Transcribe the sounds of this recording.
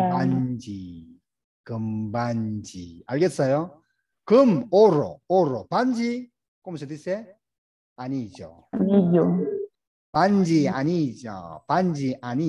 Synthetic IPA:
pand͡ʑi | kɯmband͡ʑiaɭɡet̚s͈ʌjo | kɯmoɾo̰oɾopand͡ʑi | komsʰet̪ise | aɲid͡ʑo̰ | aɲid͡ʑo | pand͡ʑiaɲid͡ʑo̰pand͡ʑiʔaɲi

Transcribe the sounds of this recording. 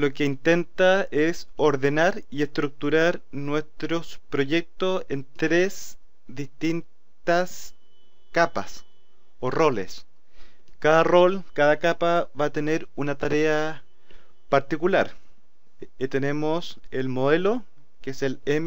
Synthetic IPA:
lo̞keint̪e̞nt̪aesoɾðe̞naɾie̞st̪ɾuk̚t̪uɾaɾnwe̞st̪ɾospɾo̞ʝek̚t̪ose̞nt̪ɾes | ðist̪in | t̪as | kapa̰s | oro̞lḛs | kaðaro̞lkaðakapaβaːt̪ene̞ɾunat̪aɾea | paɾt̪ikulaɾ | t̪ene̞moselmoðelo | keeselem

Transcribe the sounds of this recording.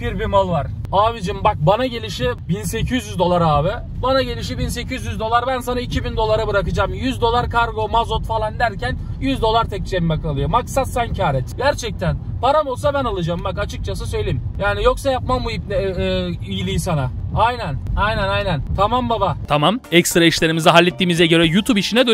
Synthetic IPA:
biɾbimalˠvaɾaːvid͡ʒɯmbak̚banaɟe̞lʲiʃibinse̞cʰyzjyzd̪o̞lˠaɾaːvɪ | banaɟe̞lʲiʃ̬ibins̬e̞cʰizjyzd̪o̞lˠaɾbænsanaicʰibind̪o̞lˠaɾabɯɾakɯd͡ʒaːmjyzd̪o̞lˠaɾkʰaɾɡo̞mazo̞t̪falˠand̪æɾcænjyzd̪o̞lˠaɾt̪ʰɛc̚t͡ʃɛmmɛkʰalˠɯjo̞maksat̪sancʰaːɾɛt̪ɟæɾt͡ʃʰɛc̚t̪ʰænpaɾamo̞lˠs̬abænalˠɯd͡ʒaːmbakat͡ʃʰɯk̚t͡ʃʰas̬ɯsø̞jlʲeimjaːnijo̞ksajapmamːujipnɛijilʲijisanaajnænajnænajnænt̪ʰamambabat̪ʰamamɛcst̪ɾaiʃlʲe̞ɾimizɛɦalʲːet̪ːiːmizɛɟø̞ɾɛjut̪ʰubiʃinɛd̪ø

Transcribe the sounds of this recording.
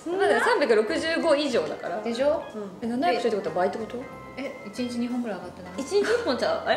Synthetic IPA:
onad̪akasãmbʲjakɯ̟ɾo̞kɯ̟ʑɨːɡo̞iʑo̞ːd̪aka̰ɾad̪e̞ɕõenanajakɕoit̪ːekot̪oβabait̪ːeko̞t̪o | eit͡ɕiɲit͡ɕiɲ̟iɦõŋɡɯ̟ɾaaɡat̪ːenait͡ɕiɲipõt͡ɕa

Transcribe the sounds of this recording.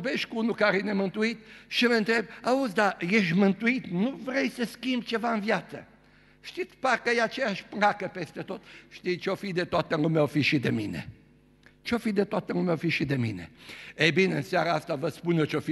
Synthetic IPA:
beʃkunukaɾinɛmɐ̃nt̪uit̪̚ʃɐmɐ̃nt̪ɛbauzd̪aeʒmɐ̃nt̪uit̪nuvɾejsɐskimt͡ʃevãvjat̪ɐ̰ | ʃt̪it̪paɾkɐjat͡ʃɛaʃpɾakɐpɛst̪ɐt̪ot̪ʃt̪it͡ʃofid̪et̪ɔt̪ɐŋumewfiʃid̪ɐminɐ̰ | t͡ʃofid̪ɐt̪ɔt̪ɐŋumewfiʃid̪ɐmḭnɐ̰ɛbinɐnsiaɾast̪avɐspunɐt͡ʃofi

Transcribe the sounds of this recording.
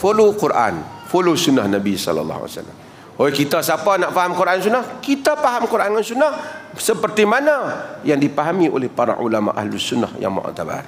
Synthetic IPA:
folokurʔa̰nfolosunːahnabisɔ̰lɑ̰lːɑ̰ɦa̰sa̰lːa̰m | ojkit̪asapanaʔfaɦamkuɾʔansunahkit̪apaɦamkuɾʔankansunah | səpərt̪imanajaŋdipaɦamiʔo̰lɛhpaɾa̰ʔṵlama̰ʔa̰hlusunːahja̰ŋma̰ʔa̰t̪aba̰r

